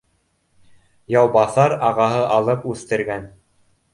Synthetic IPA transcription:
jɑwbɑθɑɾɑʁɑɦɤʔɑlˠɤpʉθt̪ɘ̆ɾɡæn

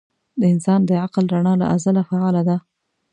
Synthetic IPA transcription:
d̪əɪnsɑnd̪əʕaqlɾaɳɑla̰ʔazalafaɑlad̪a

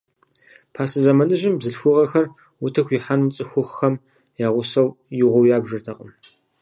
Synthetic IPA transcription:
pʰaːsɨzɐmɐnɨʒɪmbzɨɬxʷʊʁɐxɐr | wʊtʰɐxʷjiħanɨmt͡sʼɨxʷʊχxɐm | jaːʁʷʊsɐwjɪʁʷɔwjaːbʒɨrtʰɐqʼəm

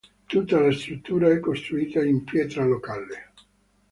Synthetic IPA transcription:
t̪ut̪ːalast̪ɾut̪ːuːɾaɛkːost̪ɾuiːt̪aimpjɛːt̪ɾalokaːle

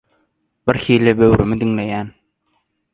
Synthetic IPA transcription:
b̥iɾxiːlibøwɾymid̪iŋlejæːn

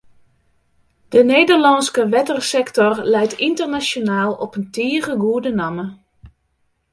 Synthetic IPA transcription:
d̥əneːdərlɑnskəʋɛtərsɛktɔrlɛjtʰintərnasjonaːlˠɔpəntiːəɣəɡuədənɑmə

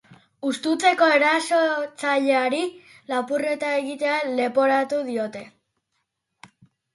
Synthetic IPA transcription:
ust̪ut͡se̞ko̞e̞ɾasot͡saʎeaɾi | lapure̞t̪ae̞ɣit̪e̞ale̞po̞ɾat̪uðio̞t̪e̞

